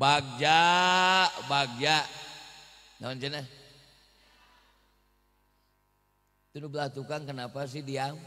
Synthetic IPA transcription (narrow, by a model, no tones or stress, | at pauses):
baɡ̚d͡ʒa | ʔbaɡ̚d͡ʒaʔ | ŋamant͡ʃana | t̪unubəlaht̪ukaŋkənapas̬idiam